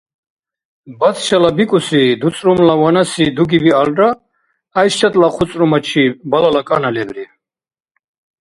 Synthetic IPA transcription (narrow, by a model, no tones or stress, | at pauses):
bat̪ʰʃalabikʼusid̪ut͡sʼɾumlawanasid̪uɡibialɖaː | jʃt͡ʃat̪ʼlaχʰut͡s̪ʼɾɔmat͡ʃʰibalalakʼanalɛbɾi